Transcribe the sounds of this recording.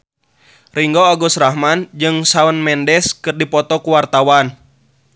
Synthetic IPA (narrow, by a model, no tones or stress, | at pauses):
riŋɡoaɡɔsraɦmand͡ʒɨŋsaunmɛndɛskɨrdipɔt̪ɔkuwart̪awan